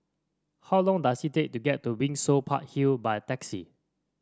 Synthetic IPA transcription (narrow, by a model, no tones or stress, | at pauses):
hawlɔ̃ŋdasitek̚tuɡɛtːubĩŋsopʰa̰t̚hilbaɪtɛksḭ